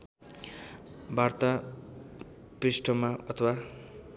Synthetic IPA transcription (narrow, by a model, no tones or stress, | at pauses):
bart̪a | prisʈʰʌmaʌt̪ʰʌwa